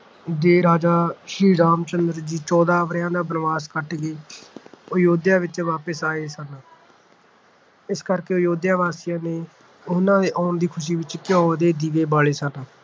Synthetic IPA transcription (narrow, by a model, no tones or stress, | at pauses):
d̪eːɾaːd͡ʒaːʃɾiːɾaːmt͡ʃənd̪əɾd͡ʒiːt͡ʃɔːd̪aːʋɾjãːd̪aːbənʋaːskəʈɡeː | ʊjoːd̪jãːʋɪt͡ʃʋaːpəsaːeːsənː | ɪskəɾkeːʊjoːd̪jãːʋaːsijãːneː | ʊnãːd̪eːʔɔːnd̪iːkʰʊʃ̬iːʋɪt͡ʃkjõːɦod̪eːd̪iːʋeːbaːɭeːsənaː